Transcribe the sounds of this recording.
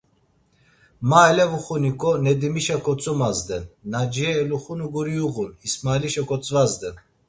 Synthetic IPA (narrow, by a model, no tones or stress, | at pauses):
maɛlɛvuχunikʼɔnɛd̪imiʃakʰɔt͡sʼumazd̪ɛnnad͡ʒiɛːluχunuɡuɾiuɣunismaliʃakʰɔt͡sʼvazd̪ɛn